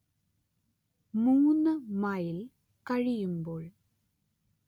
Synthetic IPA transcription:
muŋunɐmajɪl | kɐɻijumboːɭ

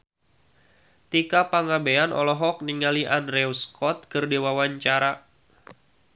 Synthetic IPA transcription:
t̪ikapaŋabeanʔɔ̰lɔɦɔk̚niŋaliʔandɾɛwskɔt̪̚kərdewawaɲt͡ʃaɾa

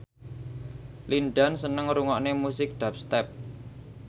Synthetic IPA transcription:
linɖansənəŋɾuŋɔʔnemusɪk̚dɖ̪̥a̤p̚st̪ɛp̚

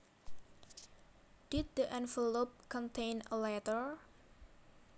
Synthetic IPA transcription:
d̥id̪̚d̪əʔɛ̃nvəlop̚kɔ̃nt̪ʰẽjnəlɛt̪əɹ

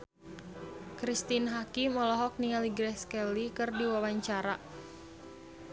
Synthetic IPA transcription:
kɾist̪inɦakimɔlɔɦɔk̚nialiɡɾɛskɛlikɨrdiwawaɲt͡ʃaɾa

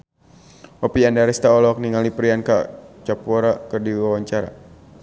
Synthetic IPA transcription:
ɔpiandaɾɛst̪aɔlɔk̚niŋalipɾiankat͡ʃapɔɾakɨrdiwawaɲt͡ʃaɾa̰

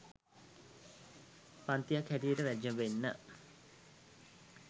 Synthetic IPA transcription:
pant̪ijakhætijəʈəʋæd͡ʒəmʋenːə̰

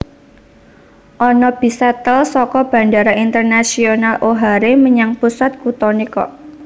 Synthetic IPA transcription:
ʔɔnɔb̥isɛt̪əlsɔkɔb̥a̤ndaɾaint̪ərnasionalʔoɦaɾeməɲaŋpusat̪̚kut̪ɔnikɔ̰

